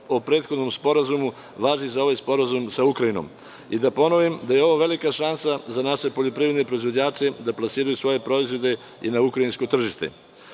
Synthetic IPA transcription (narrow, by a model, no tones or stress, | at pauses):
opɾe̞ːt̪xo̞d̪no̞mspo̞ɾazumu | ʋaːʒizao̞ʋajspo̞ɾazumsaukɾaino̰m | id̪apo̞no̞ʋimd̪ajeo̞ʋo̞ʋe̞likaʃansazanaʃe̞po̞ʎo̞pɾiʋɾed̪ne̞pɾo̞izʋo̞d͡ʑaːt͡ʃe̞d̪aplasiːɾajusʋo̞je̞pɾo̞izʋo̞d̪e̞ | inaukɾainsko̞t̪r̩ʒiʃt̪e̞̰